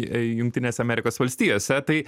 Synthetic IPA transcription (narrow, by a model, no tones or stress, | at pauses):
jʊŋkt̪ʲɪnʲeːsʲɛɐmʲɛɾʲɪkoːsʋɐlʲsʲt̪ʲiːjoːsʲɛt̪ɐɪ